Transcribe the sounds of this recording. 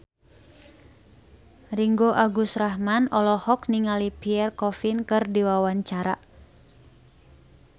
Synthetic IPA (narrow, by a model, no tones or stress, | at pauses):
riŋɡoʔaɡusraɦmanɔlɔhɔkniŋalipiɛrkɔfinkɨrdiwawaɲt͡ʃaɾa̰